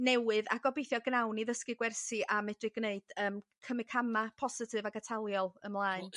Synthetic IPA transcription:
nɛwɨða̰ɡɔbejθjɔɡnawniðəskɨɡwɛrsiʔamɛdrɨɡ̥neɨd̥əːmkʰəmɪkʰamapʰɔsɪtʰɨvaɡatʰalˠjɔlˠəmlˠaːɨn

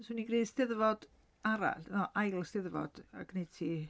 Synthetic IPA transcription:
sʊuniɡriːstɪðəvɔd̥ | aɾa̰ɬnɔʔajlˠstɪðəvɔ̰d̥a̰ɡnejd̥tʰiː

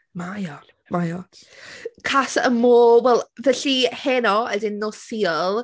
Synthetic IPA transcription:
majɔ | majɔ | kʰasə̰moːwɛlˠvɛɬihenɔədɪnːɔsiːɔlˠ

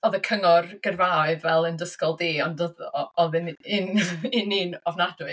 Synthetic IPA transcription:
ɔðəkʰəŋɔrɡ̥ərvaɨvvɛlˠəndəskɔlˠdeːɔndɔðɔɔðɨnɪnɪninɔvnadwɨ

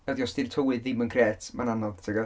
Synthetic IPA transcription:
ɛdjɔstɪltʰəwɨðimənkʰrɛːtʰmananɔðtʰɛɡa

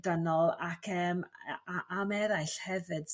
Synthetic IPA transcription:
dənɔlˠakʰəːmaʔamɛɾajɬhɛvɨd̥

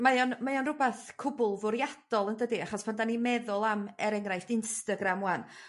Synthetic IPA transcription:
majɔnmajɔnrʊbɛθkʰʊbʊlˠvʊɾjad̥ɔlˠəndədiaχɔspʰandanimɛðʊlˠamɛɾɛŋrajfdɪnstaɡɾamwan

